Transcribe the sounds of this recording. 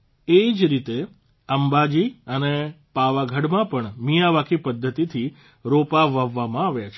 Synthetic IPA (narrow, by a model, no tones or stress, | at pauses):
eid͡ʒɾit̪e | əmbad͡ʒiəne | paʋaɡʱəɽmãpəɳmijaʋakʰipəd̪ʱːət̪it̪ʰi | ɾopaʋaʋːamãaʋjat͡ʃʰe